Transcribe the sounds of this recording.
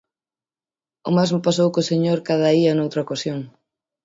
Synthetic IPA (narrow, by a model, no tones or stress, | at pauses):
ʊmazmʊpas̬owkoseɲoɾkaðɐiɐnowt̪ɾaɐokasjoŋ